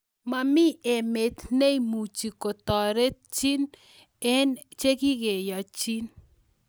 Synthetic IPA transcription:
ma˨mɪ˦e˨me˨t̪ne˦imu˨t͡ʃi˨ko˨tɔ˨ɾe˦t̚t͡ʃi˦n | ɛ˦nt͡ʃe˦kɪ˦ɡe˨ja˨t͡ʃi˦n

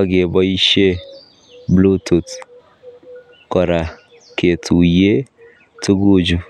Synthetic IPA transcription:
ɔ˦ɡe˨bɔ˦i˦ʃe˦ | blu˦tu˨t | kɔ˨ɾa˨ | ke˨tu˨je˦ | tu˦ɡu˦d͡ʒu˨

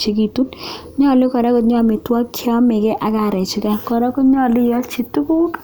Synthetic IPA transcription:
t͡ʃi˨˦ki˦˨tu˦n | ɲɔ˦˨lɪ˦kɔ˨ɾɛ˦kɔ˦t̚ɲɔ˦mɪ˨twa˦kʰːjɔ˦mɪ˨kɛ˦ʔa˨ka˨ɾɛ˨t͡ʃɪ˨˦ka˦kɔ˨ɾɛ˦kʊ˦tɲɔ˦˨lɪ˦jɔ˦t͡ʃi˨tu˦ku˦t

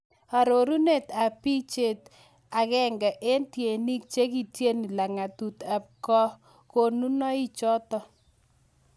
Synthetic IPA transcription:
a˨ɾo˨ɾu˦ne˦˨ta˨pi˦t͡ʃe˨t | a˨ɣɛ˦ŋɡɛ˨ʔe˦ntje˨ni˦k̚t͡ʃe˦ki˦˨tje˦ni˨la˨ŋa˨tu˨t̪a˨p̚kɔ˦ | ko˨nu˦nɔ˦i˦t͡ʃɔ˦t̪ɔ˦

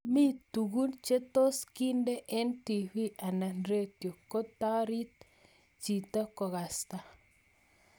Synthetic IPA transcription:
mi˦t̪u˨ɣu˦nt͡ʃe˦t̪o˦ski˦nde˦ʔe˦nt̪i˨βi˦ʔa˨na˨nɾe˦t̪jo˨ko˦t̪a˦ɾi˦t̪ | t͡ʃi˨t̪a˦ko˨ɣa˨st̪a˨

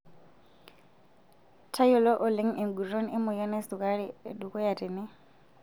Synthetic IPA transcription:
tʰa˦jʊ˨lɔ˦ʔʊ˨lɪ˦ŋ̩˦ɪ˨ŋ̩ɡu˨ro˦nɪ˦mʊ˨ja˦nɛ˦sʊ˨kʼa˦ɺɪdu˨kʼɔ˦ja˨tɪ˨nɪ˦

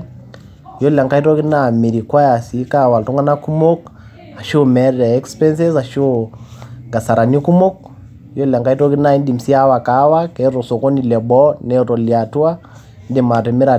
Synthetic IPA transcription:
jo˦la˨ŋka˦i˦tɔ˦ki˦na˨mi˨ɾi˨kwa˦ja˨si˨˦ka˦˨wa˨ltu˦ŋɡa˦na˦ku˦mo˦k | a˨ʃo˦mɛ˦ɾɛ˨ɛ˦kspɛ˦ns̬ɛ˦sa˨ʃo˦ŋɡa˨sa˨ɾa˨ni˦ku˦mo˦k̚ | jo˦la˨ŋka˦i˦to˦ki˦na˦i˦ndi˨m̩si˦a˦wa˨ka˨˦wa˦kɛ˨˦ɾo˨so˨ko˦ni˨lɛ˨bɔ˦nɛ˦˨to˨lia˨tu˦a˦ | ndi˨ma˨tɛ˨mɛ˦ɾa˨

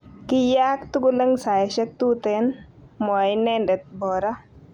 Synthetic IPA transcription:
kɪ˦jaː˦k̚t̪u˦ɡʊ˦lɐ˦ŋsa˨jʃɛ˦k̚t̪u˦t̪ɛ˦nmɔ˨jnɛndɛ˨t̪̚bɔː˨ɾa˦

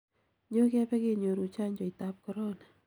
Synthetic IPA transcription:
ɲo˦kɛ˦pɛ˦ke˨ɲo˨ɾu˨t͡ʃa˦ɲd͡ʒo˨ita˦p̚kɔɾo˦na

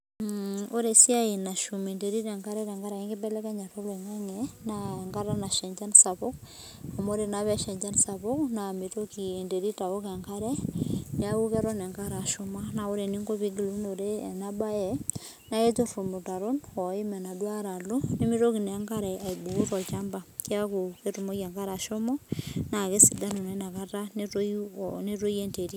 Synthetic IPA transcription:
o˦ɾe˨si˦a˦i˨na˨ʃume˨nde˨ɾi˦ɾɛ˨ŋɡa˦ɾɛ˦ɾɛ˨ŋɡa˦ɾa˨i˦ŋɡi˦bɛ˦lɛ˦ka˦ɲa˨tɔ˦lwɛ˨ŋa˦ŋɛnaɛ˨ŋɡa˦ɾa˦na˨ʃɛ˨ɲd͡ʒa˦nsa˨po˦k̚ | a˨mo˦ɾenaβɛ˦ʃɛ˨ɲd͡ʒa˦nsa˨βo˦knami˨toki˨e˨nde˨ɾi˦ta˨o˦kɛ˨ŋɡaɾɛnɛ˨a˦u˦kɛ˦ɾɔ˦nɛ˨ŋɡa˦ɾa˨ʃo˦ma˦na˨o˦ɾe˨ni˦ŋɡo˦βi˦ɡi˨lno˨ɾe˦˨na˦ba˦jɛ˨ | na˦e˦to˦ru˨mu˨ta˨ɾo˦nwɔ˨i˦mɛ˨na˨dwa˦ɾa˨lo˦ni˦mi˦ɾo˦ki˨nː˨˦ŋkaɾɛ˨a˨i˨bu˨u˦ɾɔ˨t͡ʃamba˨ki˦a˦ku˨ke˦ɾumo˦ke˨ŋɡa˦ɾa˨ʃo˦mɔna˨ke˦si˨da˦nu˨ne˦na˨ka˦ɾa˦neɾone˦ɾo˦je˦nte˨ɾi˦

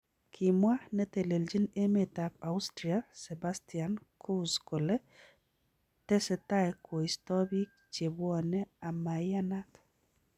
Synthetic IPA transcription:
kʰi˨mwa˦nɛ˦t̪e˨le˨ld͡ʒi˦ne˦me˨t̪a˨pa˨ʊstɾiasɛ˨bast̪iankʰu˦sko˨le˦ | t̪ɛ˦sɛ˨t̪a˦ɛkʰɔ˨istɔ˦ɾi˦k̚ | t͡ʃe˨bwɔ˦nɛ˦a˨ma˨jana˦t

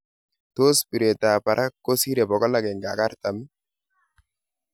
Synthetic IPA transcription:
to˦spi˨ɾe˨ta˨pa˨ɾʔa˦kːo˦si˦ɾɛ˨bɔ˨kɔ˦la˦ɡɛ˨ŋɡa˨ka˦ɾta˨mi˦

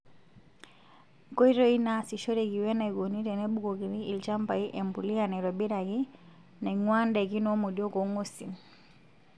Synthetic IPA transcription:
ko˦i˦ɾɔ˦i˦na˨si˨ʃɔ˦ɾɛ˨ki˨wɛ˦na˨i˨ɡo˨ni˦ɾɛ˨nɛ˦ɓu˦ko˨ki˨ɾiː˦˨lt͡ʃa˦mpa˨i˦ʔɛ˨mbu˨li˦a˨nɛ˨ɾɔ˨bi˦ɾa˨ki˦ | na˨ŋwa˦ndɛ˨ki˦nɔ˦mu˨djɔ˦ko˨˦ŋo˦si˨n

